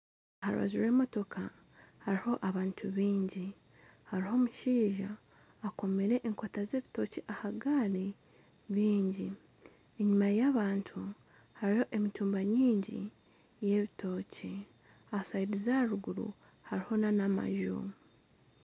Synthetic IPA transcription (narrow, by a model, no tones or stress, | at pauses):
ahaɾṵβa̰ziɾe̞ːmo̞to̞kʰa | haɾiho̞ʔaβaːntʰuβiːɲɟi | haɾiɦo̞ːmuʃiːʒaː | ko̞meɾe̞ʔeŋkotaze̞ːβito̞ceʔahaɡaɾi | βiːɲɟi | eɲumajaːβaːntʰu | haɾiho̞ʔe̞mituːmbaɲiːɲɟḭ | je̞βitʰo̞ːce | asaidizaɾuɡuɾṵ | haɾiho̞nanama̰ʒṵ